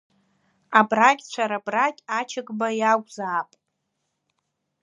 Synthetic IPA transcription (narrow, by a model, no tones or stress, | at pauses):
abrakʲʼt͡ɕʷʰaɾabrakʲʼat͡ʃʰɪɡʼbajaɡʷzaːpʼ